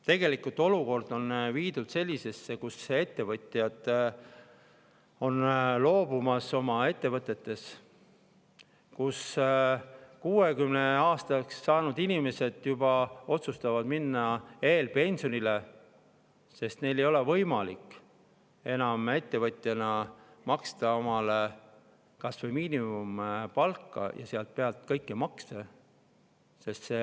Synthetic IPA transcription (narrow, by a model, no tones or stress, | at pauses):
t̪e̞ɡe̞likult̪ːˑo̞luko̞rd̪̥o̞nviːd̪ud̪se̞lʲːise̞sːe̞kusee̞t̪ːe̞vɤt̪ʲˑjɑd̪ | o̞nlo̞ːb̥umɑso̞mɑe̞t̪ːe̞vɤt̪ːˑe̞t̪ːe̞s | kus | kuːekymne̞ɑːst̪ɑksːɑːnud̪inime̞se̞d̪̥jubɑo̞t̪sust̪ɑvɑd̪minːɑe̞ːlpe̞nʲsio̞nile̞ | se̞st̪ne̞jle̞jo̞levɤ̞jmɑlikː | e̞nɑme̞t̪ːe̞vɤt̪ʲˑjɑnɑ | mɑkst̪ɑo̞mɑle | kɑsvemiːnimumpɑlkːɑ̰jɑ̰seɑlt̪̚peɑlt̪kɤjkːˑemɑkst̪e | se̞st̪se